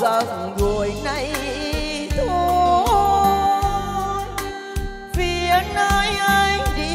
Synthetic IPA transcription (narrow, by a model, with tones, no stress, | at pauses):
ə˨˩˨zo˨˩əjna˧j | t̪ʰo˧ | j | vi˨˧˨ək̚naː˧jʔaː˧jŋɗi˧˨